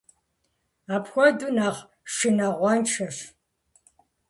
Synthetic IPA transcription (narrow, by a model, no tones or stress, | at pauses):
aːpxʷɔdunaːχ | ʂɨnaʁʷɔnʈ͡ʂʰɐɕ